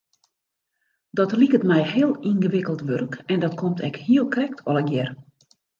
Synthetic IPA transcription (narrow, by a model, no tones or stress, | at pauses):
dɔtlikətmɛjhɪəlˠinɣəʋɪkəlˠtʋørkɛndɔtkʰomtʰɛkhiəlˠkrɛktʰɔlˠɛkjɛr